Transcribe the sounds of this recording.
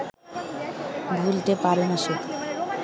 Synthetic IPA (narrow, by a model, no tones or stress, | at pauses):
bʱult̪epaɾmaʃok